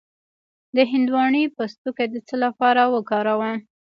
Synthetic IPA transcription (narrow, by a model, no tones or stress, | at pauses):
d̪əɦɪnd̪wɑɳipəst̪uked̪ət͡səlapɑɾawəkɑɾawəm